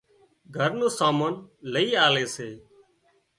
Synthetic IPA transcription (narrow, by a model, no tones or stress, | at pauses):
ɡʱəɾnõːsaːmoːnləiːaːleːseː